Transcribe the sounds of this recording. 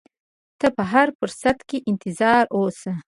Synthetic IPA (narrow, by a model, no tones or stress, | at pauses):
t̪əpəɦaɾfʊɾsat̪keʔɪnt̪ɪzɑːɾosə